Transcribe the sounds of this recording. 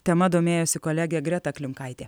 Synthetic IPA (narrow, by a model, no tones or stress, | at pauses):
t̪ʲɛmɐd̪oːmʲeːjoːsʲɪkɔlʲæɡʲɛɡɾʲɛt̪ɐkʲlʲɪmkɐɪt̪ʲeː